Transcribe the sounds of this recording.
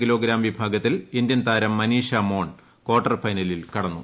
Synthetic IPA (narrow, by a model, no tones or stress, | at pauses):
kilo̞ːɡɾaːmʋibʱaːɡɐt̪ːilind̪jɐnt̪aːɾɐmːɐniːʂɐmo̞ːɳ | ko̞ːrʈːɐrfɐjnɐlilkɐɽɐnːṵ